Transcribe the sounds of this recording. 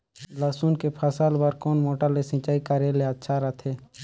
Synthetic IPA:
laːsuːnkepʰɐsaːlbəɾkoːnmoːʈəlesɪ̃t͡ʃaːikaɾeleət̪ːʃʰaɾət̪ʰeː

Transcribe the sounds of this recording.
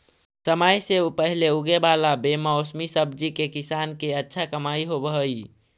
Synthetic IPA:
səmajseupəɦileuɡebalabemaosmisəbd͡ʒikekisankeətːʃʰakəmaiɦobəɦəj

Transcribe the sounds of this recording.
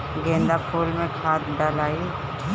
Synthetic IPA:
ɡẽːnd̪apʰuːlmẽkʰaːt̪ɖalaːi

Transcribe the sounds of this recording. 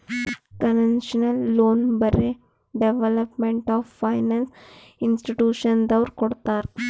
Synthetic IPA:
kɐnenʃnəlːoːnbəɾe | ɖeʋeləpmeɳʈɔffajnans | insʈiʈjuːʃənd̪ɐʋɾkɔɽt̪aɾ

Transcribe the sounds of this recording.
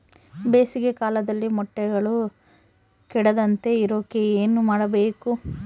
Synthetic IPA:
be̞ːsiɡe̞kaːlɐd̪ɐlːimɔʈːɛɡɐɭu | kɛɽɐd̪ɐnt̪e̞iɾoːkeeːnumaːɽɐbeːku

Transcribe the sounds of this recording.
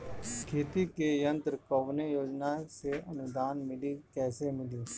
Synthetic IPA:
kʰeːt̪ikejə̃nt̪ɾəkəʋnejoːd͡ʒnaseʔənʊd̪aːnmɪlikɛːsemɪliː

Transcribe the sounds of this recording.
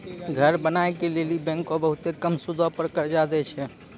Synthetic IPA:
ɡʱəɾbənaekelelibɛ̃ŋkobəɦut̪ekəmsud̪ʱɔpəɾkəɾd͡ʒad̪ɛt͡ʃʰɛ

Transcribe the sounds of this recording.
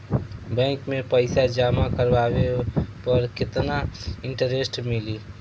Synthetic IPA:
bɛ̃ːŋkmẽpəɪsad͡ʒaːmakəɾbaːwepəɾkɪt̪naɪ̃ɳʈəɾesʈmɪliː

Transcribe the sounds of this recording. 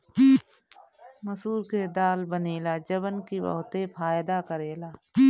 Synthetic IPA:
məsuːɾked̪aːlbəneːlaːd͡ʒəbənkibə̰ɦt̪epʰaːjd̪akəɾeːlaː

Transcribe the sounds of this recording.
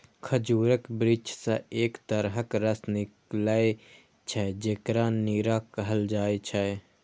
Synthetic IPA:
kʰəd͡ʒuːɾəkbɾid͡ʒsə̃eːkt̪əɾɦəkɾəsnɪkləe | t͡ʃʰɛd͡ʒeːkɾaniːɾakəɦəld͡ʒaːet͡ʃʰɛ

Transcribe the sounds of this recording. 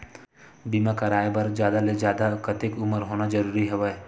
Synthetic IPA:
bimakɐɾaːjebɐɾd͡ʒjaːd̪aled͡ʒjaːd̪akət̪ɪkʊməɾɦoːnad͡ʒɐɾuːɾiɦɛʋe

